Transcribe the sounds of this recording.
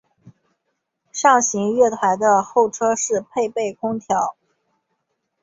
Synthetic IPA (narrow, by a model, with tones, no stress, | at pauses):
ʂɑ˥˩ŋɕi˧˥ŋɥɛ˥˩t̪ʰa˧˥ɪd̪ə˧xo˥˩ʊʈ͡ʂʰɤ˥ʂɻ̩˥˧pʰe˥˧ɪpe˥˩ɪkʰʊ˥ŋt̪ʰjɑ˧˥ʊ